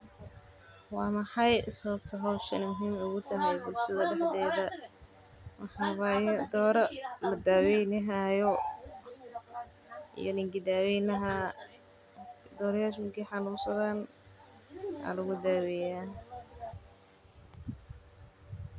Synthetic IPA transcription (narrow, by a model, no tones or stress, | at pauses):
wɑːmɑħɑjsɐβɐb̚t̪ʰɐɦɔwʃɐ̰nɪmʊɦiːmʊɣʊt̪ʰɐɦɛjbʊlʃɐðɐɖɛħd̪ɛːðɐ | mɑħɑːwɑːjɛd̪ɔːɾɐlɐd̪aːwɛjnɪɦajɔ | ʔḭjɔnɪŋɡɪd̪aːwɛjnɐɦɐ | d̪ɔːɾjaːʃmɪŋkiħɑnuːnsɐðaːn | a̰lɐɣʊd̪aːwɛjaː